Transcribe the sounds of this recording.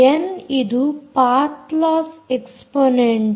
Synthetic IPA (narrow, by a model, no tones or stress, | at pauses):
enid̪upaɾt̪lɔːfeksponeɳʈ